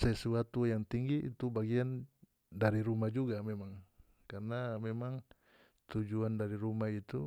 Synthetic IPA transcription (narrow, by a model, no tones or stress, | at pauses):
sɛsuat̪ujaŋt̪iŋɡiʔḭt̪ubaɡian | daɾiɾumad͡ʒuɡamɛmaŋ | karnamɛmaŋ | t̪ud͡ʒuandaɾiɾumait̪u